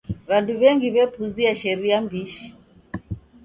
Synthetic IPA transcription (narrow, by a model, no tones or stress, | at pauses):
βanduβɛŋɡiβɛpuziaʃɛɾiambiʃi̥